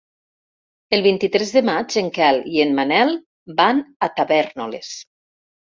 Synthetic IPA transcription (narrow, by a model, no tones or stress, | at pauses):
elˠβint̪it̪ɾɛzðəmad͡ʒeŋkɛlienmanɛlˠ | banat̪aβɛɾnolḛs